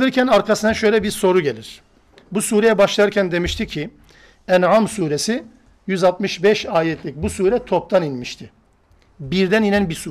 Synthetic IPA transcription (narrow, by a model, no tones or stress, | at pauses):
ɯɾcʰænaɾkʰasɯnaʃø̞jlʲɛbiɾso̞ɾuɟe̞lʲiɾ̥ | busuːɾejɛbaʃlˠajɯɾcʰænd̪e̞miʃt̪ʰicʰːi | ænʕamsuːɾesi | jyzat̪mɯʃbɛʃaːjɛt̪ʰlʲic̚busuːɾɛt̪ʰo̞p̚t̪ʰaninmiʃt̪ʰi | biɾd̪æninænbisuː